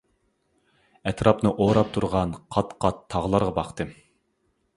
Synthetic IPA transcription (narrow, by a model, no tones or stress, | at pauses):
ɛt̪ɾɑpnɨʔoɾɑp̚t̪ʰuɾʁɑnqʰɑt̪qʰɑt̪ʰːɑʁlˠɑɾʁɑbɑχt̪ɨ